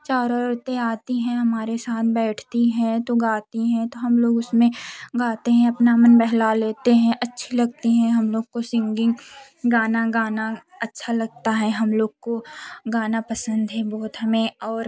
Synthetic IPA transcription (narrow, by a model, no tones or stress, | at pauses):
t͡ʃaːɾɔːɾot̪eaːt̪iɦɛ̃ɦɐmaːɾesaːt̪̚ʰbɛːʈʰt̪iɦɛ̃t̪oɡaːt̪iɦɛ̃t̪oɦɐmloːɡʊsmẽɡaːt̪eɦɛ̃ɐpnamənbɛɦlaleːt̪eɦɛ̃ʔɐtːʃʰelɐɡ̚t̪eɦɛ̃ɦɐmloːɡ̚kosɪ̃ŋɡɪ̃ŋɡ | ɡaːnaɡaːna | ɐtːʃʰalɐɡ̚t̪aɦɛɦɐmloːɡ̚koɡaːnapɐsə̃nd̪ɦɛbɔːʊt̪ɦɐmẽɔːɾ